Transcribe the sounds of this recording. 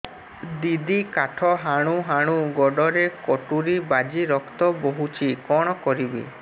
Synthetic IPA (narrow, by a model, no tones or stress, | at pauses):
d̪id̪ikaʈʰɔɦaɽ̃uɦaɽ̃uɡɔɖɔɾekɔʈuɾibad͡ʒiɾɔkt̪ɔboɦut͡ʃʰikɔɽ̃ɔkɔɾibḭ